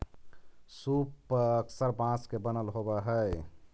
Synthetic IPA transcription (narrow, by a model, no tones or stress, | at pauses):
supːəksəɾbãskebənəlɦobeɦɛ